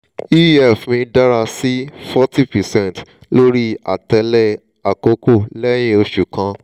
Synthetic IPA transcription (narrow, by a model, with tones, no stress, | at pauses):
i˦ɛ˦˨fmĩ˧da˦ɾa˧si˦fɔ˦ti˦pɛ˨sɛ̃˦˨ntlo˦ɾi˦a̰˨tɛ˧lɛ˦˨ | a˨ko˧ko˦˨lɛ˦j̃ĩ˦o˧ʃu˨kã˧